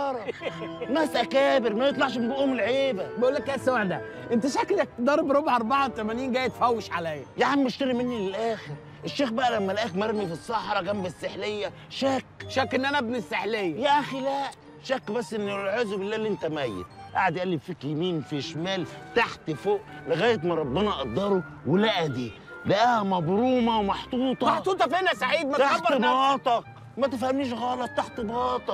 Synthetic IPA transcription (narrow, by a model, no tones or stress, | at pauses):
ɑɾˤnæːsʔækæːbɪɾmæbjet̪ˤlɑʕʃbʔuːmɪlʕeːbæbæʔulːækʔæːsæwaʕd̪æ | ʔent̪æʃækːlæk̚t̪d̪ɑːɾˤɑbɾˤobʕʔɑɾˤbɑʕat̪æmæniːnɡæːjt̪fæwːɪʃʕalæjːæjaʕnimeʃt̪ɑɾimɪnːilelʔæːxeɾ | ʔeʃːeːxbæʔælæmːælʔæːxmæɾˤmifisˤːɑħɾˤɑɡæmbæsːeħlejːæ | ʃæːkʃæːkːʔenːænææbnisːeħlejːæjæʔæxilæʔ | ʃækːbæsːʔenːlʕæːzbɪlːæːlːiʔent̪æmæjːḛt̪ʔa̰ʕad̪jʔælːibfiklmiːnfiʃmæːlt̪aħt̪foːʔlɪɣæːjet̪mɑɾˤɑbːenɑʔɑd̪ˤːɑɾˤo | welæʔæd̪iː | læʔæhæmɑbɾuːmɑwmɑħt̪ˤuːt̪ˤɑħt̪ˤuːt̪ˤɑfinæsaʕiːd̪̚mæt̪abɑːt̪ˤɑk̚ | mæt̪ɪfhæmniːʃɣɑːlɑt̪ˤːaħt̪ebɑːt̪ˤɑk̚